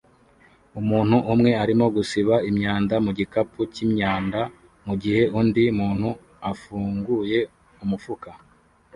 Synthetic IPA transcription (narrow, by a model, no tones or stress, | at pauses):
umuːn̥huʔːmŋe̞aɾimo̞ɡusiβaimɲaːndamuɟikapucimɲaːnda | muɟihe̞undiumuːn̥hu | afuːŋɡuje̞ | umufuka